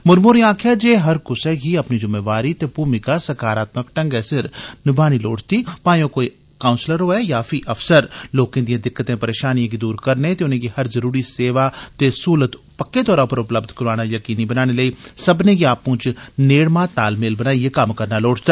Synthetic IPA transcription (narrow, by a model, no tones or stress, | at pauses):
mʊɾmuːɾĩãːkʰjad͡ʒeːɦɐɾkʊsɛɡiɐpnid͡ʒʊmeːʋaːɾit̪epuːmɪkasɐkaːɾaːt̪məkʈə̃ŋɡɛsɪɾnɪbʱaːniloːʈt̪iːpãːjõkoːi | kaːʊ̃nsləɾoːɛjaːfʰiʔɐfsəɾloːkẽːd̪ijãːd̪ɪkːət̪ẽpəɾeːʃaːnijãɡid̪uːɾkəɾnet̪eʊnẽkihɐɾzəɾuːɾiseːʋat̪esuːlət̪ | pəkːet̪ɔːɾãʊpəɾʊpləbd̪ʱkəɾaːɽ̃ajəkiːnibənaːñeləiːsəbneɡiaːpʊ̃t͡ʃneːɽmãːt̪a̰ːlmeːlbənaːijakɐmkəɾnaloːʈʰt̪aː